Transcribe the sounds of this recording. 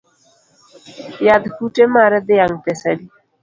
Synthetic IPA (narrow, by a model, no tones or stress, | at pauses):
jad̪kuʈemaɾɛd̪ɪjaŋpɛsəli